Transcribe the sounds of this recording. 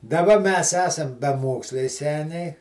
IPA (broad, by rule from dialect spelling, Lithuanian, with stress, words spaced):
dɐˈbɐ mʲɛs ˈæːsɐm bʲɛˈmoːksʲlʲɛɪ ˈsʲæːnʲɛɪ